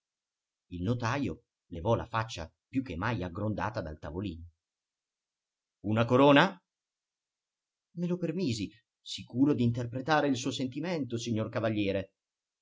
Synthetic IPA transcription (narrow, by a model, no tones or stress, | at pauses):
ilnot̪aːjo | levɔla̰fat͡ʃːa̰ | pjuk̟ːemːajaɡɾond̪a̰ːt̪ad̪a̰lt̪avoliːno | unakoɾoːna | melopermiːzi | sikuːɾod̪iːnt̪erpɾet̪aːɾeilsuːosent̪iment̪osiɲːorkavaʎːjɛːɾe